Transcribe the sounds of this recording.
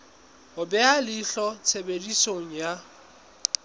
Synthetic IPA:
ʊbɛalɪɬɔt͡sʰebedisoŋ̩ja

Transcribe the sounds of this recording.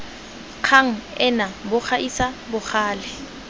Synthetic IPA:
q͡χʰaŋ̩ɛnabʊk͡xʰaʔisabʊk͡xʰaːlɪ

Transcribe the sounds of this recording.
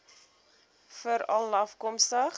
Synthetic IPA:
fəɾɐlːɐfkɔmstəχ

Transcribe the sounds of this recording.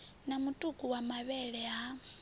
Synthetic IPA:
namutʼukʼuwamaβɛɺɛɦa

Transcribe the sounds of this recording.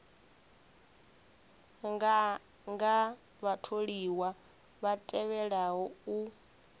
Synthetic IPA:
ŋɡa | βatʰoɺiwa | βatʼɛβɛɺaɦɔu

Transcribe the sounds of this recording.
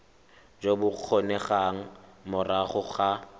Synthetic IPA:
d͡ʒobʊq͡χʰonɛχaŋ̩mʊraχʊχa

